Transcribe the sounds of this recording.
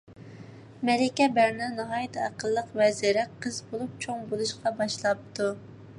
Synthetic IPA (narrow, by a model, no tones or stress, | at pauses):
mɛlɪkʲɛbæɾnɛnɑɦɑjt̪ʰæqəlˠːəqvɛziɾɛqʰəzbolˠup̚t͡ʃʰoŋbolˠuʃqɑbɑʃlˠɑp̚t̪ʰu